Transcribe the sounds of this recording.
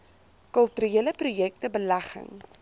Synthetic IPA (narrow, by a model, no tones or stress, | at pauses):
kəlˠtyɾieələprujɛk̚təbəlæχə̰ŋ